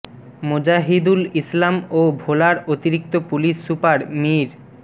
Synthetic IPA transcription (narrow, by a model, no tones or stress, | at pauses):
mod͡ʑaɦid̪ulislamobʱolaɾot̪iɾik̚t̪opuliʃːupaɾmiɾ